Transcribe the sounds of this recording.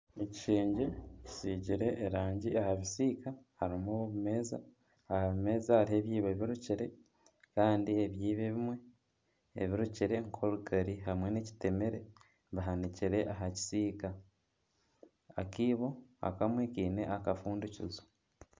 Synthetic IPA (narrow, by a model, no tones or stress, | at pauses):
eci̥ʃeːɲɟeci̥siːɟiɾe̞ʔːɾaːɲɟiʔahaβisiːkahaɾimuβimeːza̰ | ahaβime̞ːzahaɾihe̞βjiːβeβiɾuciɾe̞ | kaːndieβjiːβeβimwe̞ | ḛβiɾuciɾe̞ŋkʰo̞ɾuɡaɾiɦamwe̞neci̥te̞meɾe̞ | βaɦaniciɾe̞ʔaɦaci̥siːka | akiːβo̞a̰kamwiːkiːne̞̰ʔakafuːnducṵzo̥